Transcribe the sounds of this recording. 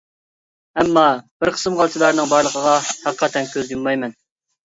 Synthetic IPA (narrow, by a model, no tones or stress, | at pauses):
ɛmːɑb̥ɪɾqʰə̥sɨmʁɑlˠt͡ʃ̪ʰɨlˠɑɾnɨŋbɑɾlˠəqʰəʁɑhæqqʰːɑt̪ʰɛnkʲʰøzjumːɑjmɛn